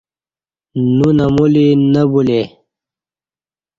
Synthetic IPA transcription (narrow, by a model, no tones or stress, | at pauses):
nunɐmulinəbule